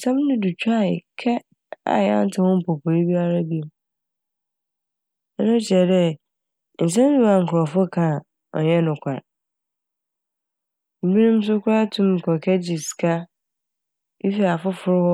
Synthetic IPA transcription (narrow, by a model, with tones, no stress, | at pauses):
sã˦m˦nʊ̃˦du˨t͡ɕʰᶣu˦a˦˨ɪ̰˨kʰɛ˦ | a̰˨jã̰˦n˦tʰɪ˨hʊ̃˦m̩˦pʰo˨pʰo˨ɾi˦bi˦a˦ɾa˦bi˦m | ɛ˦nʊ̃˦ɕɛ˨dɛ˦ | n̩˨s̬ɛ̃˦dũ˦a˨ŋ̩˨kʰʊ˨ɔ˨fʊ˦kʰã˨ | ɔ̰˨ɲɛ˦nʊ̃˨kʷʰa˨ɾ | m̩˨bi˦nũ˦m̩˦s̬ʊ˦kʰʊ˦a˦tʰũ˦m˨kʰɔ˨kʰɛ˦d͡ʑi˨skʰa˦ | i˦fi˨a˨fʊ˦fʊ˦ɾʊ˦wɔ˦